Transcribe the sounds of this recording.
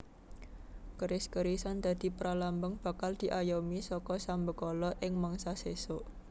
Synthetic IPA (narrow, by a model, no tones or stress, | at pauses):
kəɾɪskəɾisand̪̥a̤d̪̥i̤pəɾalambəŋb̥a̤kald̪̥i̤ʔajomisɔkɔsambəkɔlɔʔɪŋmaŋsasesoʔ